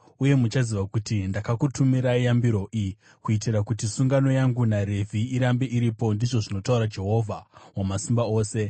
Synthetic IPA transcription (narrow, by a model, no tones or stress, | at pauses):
uje̞mut͡ʃaziʋakutindakakutʰumiɾaijambiɾo̞ʔi | kuitiɾakutisuŋɡano̞jaŋɡunaɾe̞vʱiːɾambeʔiɾipo̞ndiʐo̞ʐino̞tauɾad͡ʒe̞ɦo̞vʱawamasimbao̞ːse̞